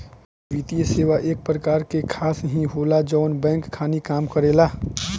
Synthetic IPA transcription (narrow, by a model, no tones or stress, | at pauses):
ʋit̪ijəseːʋaʔeːk̚pɾəkaːɾkekʰaːsɦĩɦoːlad͡ʒɔːnbɛ̃ːŋkʰːaːnikaːmkəɾeːlaː